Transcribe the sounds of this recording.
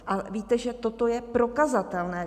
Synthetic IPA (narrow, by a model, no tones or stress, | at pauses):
ʔaviːt̪ɛʒɛt̪o̞t̪o̞jɛpɾo̞kazat̪ɛlnɛː